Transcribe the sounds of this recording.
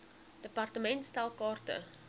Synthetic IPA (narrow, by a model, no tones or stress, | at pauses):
d̥əpɐrtəmɛntstɛlˠkɑːrtə̰